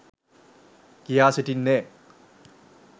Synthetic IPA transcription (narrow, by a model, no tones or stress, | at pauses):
kijaːsiʈinːe